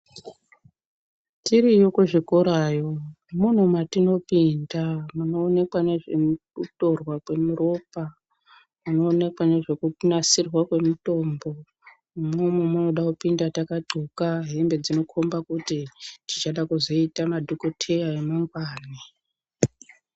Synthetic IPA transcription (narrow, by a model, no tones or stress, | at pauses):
tiɾijokuʐikuɾajo̞ | mun̤umatino̞pindamuno̞ːne̞kwaneʐe̞muuto̞rwakwe̞muɾo̞ːpa | muno̞ːne̞kwane̞ʐe̞kunasirwakwe̞muto̞ːmbo̞ | umomwemuno̞ɗakupindatakaǃʱukaɦe̞mbe̞d͡zino̞kʰombakutitit͡ʃaɗakuzo̞itamadʱokotʰe̞jaemaŋɡwaːni